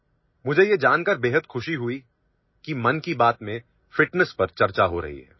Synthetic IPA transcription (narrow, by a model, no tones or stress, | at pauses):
mʊd͡ʒʱejed͡ʒaːnkəɾbeːɦət̪xʊʃiɦʊi | kimɐnkibaːt̪mẽ | fɪʈnəspɐɾt͡ʃɐɾt͡ʃaɦoɾɐ̰ɦḭɦɛ̰ː